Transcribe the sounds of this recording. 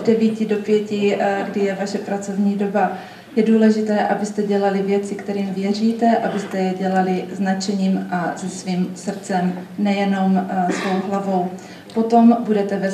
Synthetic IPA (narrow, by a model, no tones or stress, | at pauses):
dɛviːcɪdo̞pjɛcɪɡdɪjɛvaʃɛpɾat͡so̞vɲiːdo̞ba | jɛduːlɛʒɪt̪ɛːʔabɪst̪ɛɟɛlalɪvjɛt͡sɪkt̪ɛɾiːmvjɛr̝iːt̪ɛʔabɪst̪ɛjɛɟɛlalɪznat͡ʃɛɲiːmʔazɛsviːmsr̩t͡sɛmnɛjɛno̞msvo̞wɦlavo̞w | po̞t̪o̞mbudɛt̪ɛvɛ